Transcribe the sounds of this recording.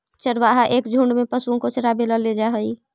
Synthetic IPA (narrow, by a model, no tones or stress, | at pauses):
t͡ʃəɾbaɦaʔekd͡ʒʱuɳɖmepəsuõkot͡ʃəɾabeləled͡ʒaɦəj